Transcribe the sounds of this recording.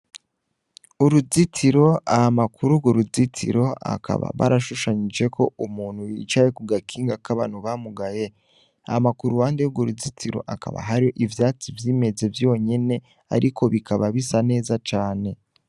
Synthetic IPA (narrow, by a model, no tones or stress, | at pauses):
uɾuzitiɾo̞ahamakʰuɾuɡoɾuzitʰḭɾo̞a̰kʰa̰βa̰βa̰ɾaʃuʃaɲid͡ʒe̞kʰo̞umuːn̥hujḭt͡ʃaje̞kuɡakʰiːŋɡakaβanuβamuɡaje̞ | amakuɾuwaːndejuɡoɾuzitiɾo̞̰ʔaka̰βa̰ɦaɾio̞ʔivjaːt͡sivjiːme̞ze̞vjo̞ɲe̞ne̞ | a̰ɾʔikʰo̞βikaβaβisane̞ːzat͡ʃaːne̞